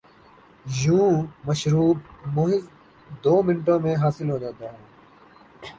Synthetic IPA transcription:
jũːməʃɾuːb̚moːɦɪz | d̪oːmɪnʈõːmẽɦaːsɪlɦoːd͡ʒaːt̪aːɦɛ̃ː

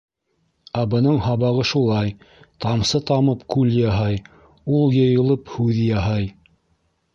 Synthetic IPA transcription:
æbɤ̆nɤɴhɑβɑʁɤʃulˠɑj | t̪ɑmsɤt̪ɑmɤpkʉljɑɦɑj | ulˠjɤ̆jɤ̆lˠɤphʉðjɑɦɑj

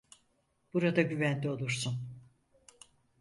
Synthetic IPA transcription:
b̥uɾad̪aɟyvænlʲio̞lˠuɾsun

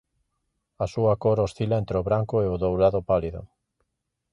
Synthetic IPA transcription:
asuɐkoɾosθilaent̪ɾeʊβɾaŋkʊeʊðowɾaðʊpaliðʊ̰

